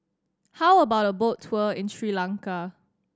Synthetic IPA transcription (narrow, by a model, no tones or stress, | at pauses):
hawəbaʊt̚əbotʰwəɪ̃nsɹilãŋka